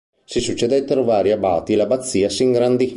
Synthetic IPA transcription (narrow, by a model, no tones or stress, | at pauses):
sisut͡ʃːed̪ajt̪ːeɾʋaːɾjɐbaːt̪ilɐbɐt̪sːiːɐsiŋɡɾand̪i